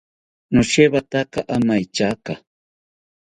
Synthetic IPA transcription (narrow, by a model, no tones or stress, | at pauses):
nʊʃeβat̪akaʔamajt͡ʃaka